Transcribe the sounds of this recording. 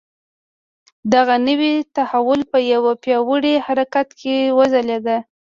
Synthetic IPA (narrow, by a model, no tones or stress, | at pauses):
d̪aɣanəwit̪ahawʊlpəjawapjɑwəɽehaɾakat̪kʰewəzaled̪a